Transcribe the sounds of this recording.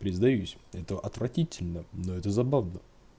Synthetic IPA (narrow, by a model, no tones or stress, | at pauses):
pɾʲɪzd̪ɐjusʲɛt̪əʔɐt̪vɾɐtʲitʲɪlʲnənoɛt̪əzɐbavnə